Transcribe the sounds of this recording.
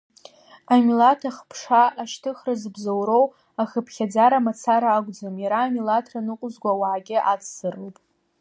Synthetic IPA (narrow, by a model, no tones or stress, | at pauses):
amilatʰaχpʰʂaʔːʃtʰɨχrɨzbzowɾow | aχəpʰχʲad͡zaɾamat͡sʰaɾaːɡʷd͡zomjaɾaːmilatʰranɨqʷʼʊzɡʷawaʕaɡʲɪʔat͡sʰsɨrowpʼ